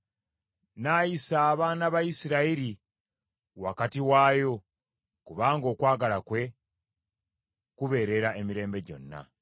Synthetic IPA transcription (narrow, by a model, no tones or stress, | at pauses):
najisaːβaːnaβajisiɾaiɾi | wa̰katiwaːjo̞ | kuβaːŋɡo̞ːkwaːɡalakwe̞ | kuβe̞ːɾe̞ɾae̞miɾe̞ːmbe̞ɟo̞̰nːa̰